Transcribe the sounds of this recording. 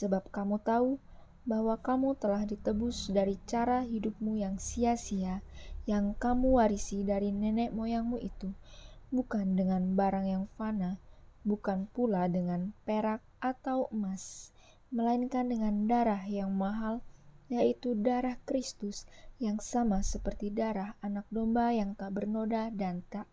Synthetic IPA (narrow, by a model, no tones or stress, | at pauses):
səbap̚kamut̪au | bahwakamut̪əlahdit̪əbusdaɾit͡ʃaɾaɦidup̚mujaŋsiasiajaŋkamuwaɾisidaɾinɛnɛʔmojaŋmuʔit̪ubukandəŋanbaɾaŋjaŋfanabukanpuladəŋanpeɾak̚ʔat̪awəmas | məlainkandəŋandaɾaɦjaŋmaɦaljait̪udaɾahkɾist̪usjaŋsamasəpərt̪idaɾahanak̚dombajaŋt̪abərnodadant̪aʔ